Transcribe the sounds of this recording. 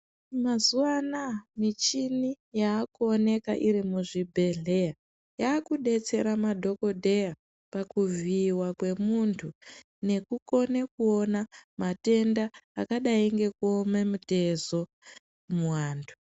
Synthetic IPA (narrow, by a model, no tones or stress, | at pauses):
mazuwanamit͡ʃini | jaːkuone̞kaʔiɾimuʐibʱe̞ɮeja | jaːkuɗe̞t͡se̞ɾamadʱo̞ko̞dʱe̞ja | pakuviːwakwe̞muntʰu | ne̞kuko̞nekuo̞namate̞ndaːkaɗaiŋɡe̞kuomemute̞zo̞ | muwaːntʰu